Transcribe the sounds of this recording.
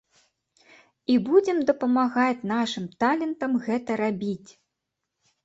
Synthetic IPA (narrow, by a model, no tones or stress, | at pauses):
ibud͡zʲɛmd̪ɐpɐmaɣat͡sʲnaʂɨmt̪alʲɛnt̪ɐmɣɛt̪ɐɾabʲit͡sʲ